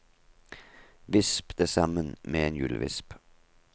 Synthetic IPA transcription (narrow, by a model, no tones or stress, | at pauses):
ʋɪspd̪̥əsɑmənmeːeːnjʉ̰ːlʋɪ̰sp